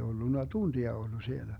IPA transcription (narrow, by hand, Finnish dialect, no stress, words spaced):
olːunːɑ tuntiɑ olːu sielæ